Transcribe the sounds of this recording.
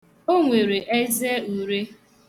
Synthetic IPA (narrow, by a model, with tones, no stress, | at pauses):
o˦ŋʷe˨ɾe˨ʔe˦ze˦u˨ɾe˦